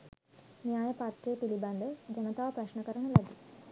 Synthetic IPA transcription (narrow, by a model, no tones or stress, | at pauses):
njaːjɐpaːt̪ɾeːp̪iliband̪ɐd͡ʒɐnɐt̪aːʋɐpɾɐɕnɐkɐɾɐɳɐlɐd̪i